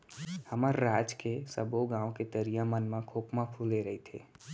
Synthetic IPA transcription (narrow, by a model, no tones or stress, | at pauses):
həməɾːad͡ʒkesəboɡãːõket̪əɾijamənmãkʰokmapʰuleɾəɦit̪ʰḛ